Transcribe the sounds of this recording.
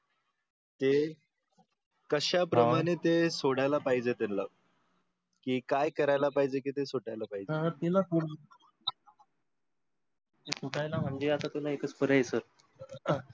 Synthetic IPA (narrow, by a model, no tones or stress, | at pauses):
t̪e | kəɕapɾəmaɽ̃et̪esoɽajlapaɦid͡zet̪enla | kiːkajkəɾajlapaɦid͡ʑek̬iːt̪esoʈajlapaɦid͡ʑeət̪ilakuɽ | esuʈajlam̤əɳd͡ʑeat̪at̪ilaekət͡spəɾajesəɾ